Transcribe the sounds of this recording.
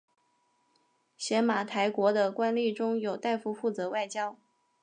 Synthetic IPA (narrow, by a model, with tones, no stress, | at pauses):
ɕjɛ˧˥nma˨˩t̪ʰa˧˥ɪkwɔ˧˥d̪ə˧kwa˥nli˥˩ʈ͡ʂʊ˥ŋjo˨˩ʊt̪a˥˧ɪfu˥˧fu˥˩t͡sɤ˧˥wa˥˩ɪt͡ɕjɑ˥ʊ